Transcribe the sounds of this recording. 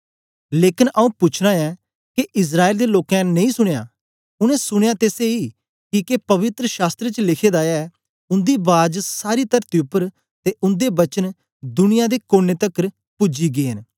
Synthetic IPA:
leːkɪnʔəũːpʊt͡ʃʰɾãːɛː | kiʔɪs̬ɾaːeːld̪eːloːkɛ̃nɐ̃ĩːsʊɽ̃eja̰ː | ʊnɛ̃ːsʊɽ̃ejaːt̪eːseiː | kikepɐʋɪt̪ɾəʃaːst̪ɾet͡ʃəlɪkʰeːd̪aːɛː | ʊnd̪iːbaːd͡ʒsaːɾiːt̪əɾt̪iʊpːəɾ | t̪eʔʊ̃nd̪eːbət͡ʃən | d̪ʊnɪjãːd̪eːkoːneːt̪əkːəɾ | pʊd͡ʒiːɡeːɦən

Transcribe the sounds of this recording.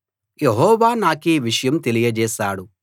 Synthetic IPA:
jeɦɔːʋaːnaːkeːʋiʂɐjɐmt̪e̞lijɐd͡ʒɛːʃaːɽu

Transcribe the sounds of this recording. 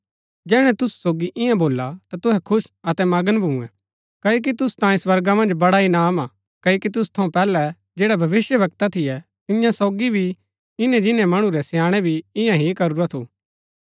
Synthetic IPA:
d͡ʒɛːɽ̃ɛ̃t̪ʊsu̥soːɡiʔɪ̃jãboːlat̪at̪ʊɦɛkʰʊʃɐt̪ɛmaːɡənbʱũũɛ̃ | kɐːjoːk̬it̪ʊsu̥t̪ãːĩswɐɾɡamɐ̃nd͡ʒbɐɽaɪnaːma | kɐːokit̪ʊst̪ʰɐũpɛːlɛ | d͡ʒeːɽabʱɐʋɪsjəʋɐk̚t̪at̪ʰɪjɛ | t̪ɪnɪjãsɔːɡibʱi | ɪnɛ̃d͡ʒɪnɛ̃mɐɽ̃ũɾɛsjãːɽ̃ɛbʱiɪjãɦikɐɾʊɾat̪ʰṵ

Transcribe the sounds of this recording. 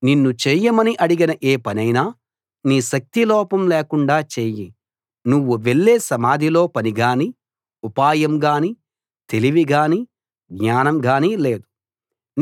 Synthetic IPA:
ninːut͡ʃeːjɐmɐniʔɐɽiɡɐnɐʔeːpɐnɐjnaː | niːʃɐk̚t̪ilɔːpɐmleːkuɳɖaːt͡ʃeːji | nuʋːuʋe̞ɭːeːsɐmaːd̪ʱilo̞ːpɐniɡaːni | upaːjɐmɡaːni | t̪e̞liʋiɡaːni | ɡɲaːnɐmɡaːnile̞ːd̪u

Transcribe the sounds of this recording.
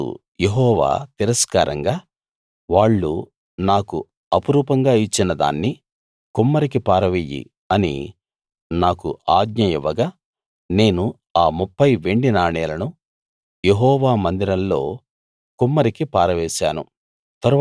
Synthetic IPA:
ṵ | jeɦɔːʋa̰ːt̪iɾɐskaːɾɐ̰ŋɡaː | ʋaːɭːṵ | naːkṵ | ɐpuɾuːpɐŋɡaːit͡ʃːinɐd̪a̰ːnːi | kumːɐɾikipaːɾɐʋijḭ | ɐnḭ | naːkuaːɡɲɐjiʋɐɡaː | ne̞ːnu | aːmupːɐjʋe̞ɳɖinaːɳɛːlɐnu | jeɦɔːʋaːmɐnd̪iɾɐlːo̞̰ː | kumːɐɾikipaːɾɐʋɛːʃa̰ːnṵ | t̪ɐɾu

